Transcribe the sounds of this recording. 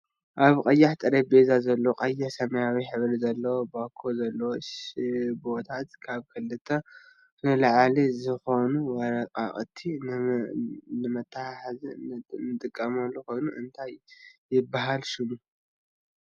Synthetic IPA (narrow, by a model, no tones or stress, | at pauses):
ʔaβkʼɐjːaħt̪ʼɨɾebezazɐlːoqʼɐjːɪħsɐmɐjawiħɨβɾizɐlːɐwobakʰːo̞zɐlːɐwoʃbo̞t̪ʰat̪kʰaβkʰɨlːɨt̪ʰːɐ | nɨlaʕalizɨxo̞nuwɐɾɐkʼa̰kʼt̪ʰːi | nɨmɐt̪ʰːaaħaznːɨt̪ʼɨkʼːɐmɐlːuko̞jnuʔɨnt̪ʰajjːɪbːaɦalʃɪmu